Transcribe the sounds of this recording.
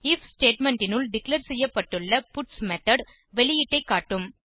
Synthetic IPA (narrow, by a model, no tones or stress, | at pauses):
ɪfsʈeːʈmɛɳɖʈɪnɯlɖɪklɐɾsɛjːɐpːɐʈːɯɭːɐpʊʈsmɛt̪ɐɽ | ʋɛɭɪjɪʈːɐɪkːaːʈːɯm